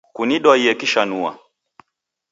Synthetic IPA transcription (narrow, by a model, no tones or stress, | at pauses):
kuniɗwaiɛkiʃanua̰